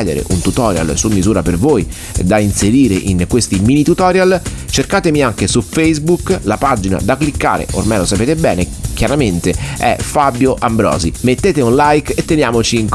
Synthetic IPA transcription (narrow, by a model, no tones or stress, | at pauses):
d̪ḛɾḛʔunt̪ut̪ɔːɾja̰lsumːizuːɾapervoːj | d̪ainseɾiːɾeʔinkwest̪iminit̪ut̪ɔːɾjalt͡ʃerkaːt̪emiaŋk̟esufejzbuklapad͡ʒina̰d̪akːlikːa̰ːɾḛʔo̰rmajlosapeːt̪ebɛːnek̟jaɾament̪eɛ̰fabjoʔambɾɔ̰ːzimet̪ːeːt̪eunlajket̪ːenjaːmot͡ʃiŋk